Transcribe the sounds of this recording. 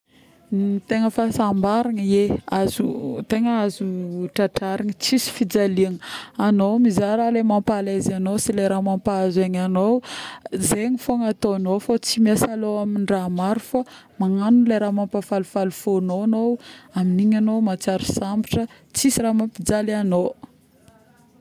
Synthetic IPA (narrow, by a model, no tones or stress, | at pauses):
t̪eŋəfasambaɾaŋəjeazut̪eŋəazuʈ͡ʂaʈ͡ʂaɾaɲət͡sisi̥fid͡zaliaŋəanowmizaɾalemampalazanowsileɾamampaazaɲanowzeɲifoŋat̪oanowfot͡simasalowaminɖ͡ʐamaɾufa | maŋanunleɾamampafalufalufonoanowaminiɲanomat͡saɾu̥sambiʈ͡ʂə | t͡sisiɾamampid͡zalano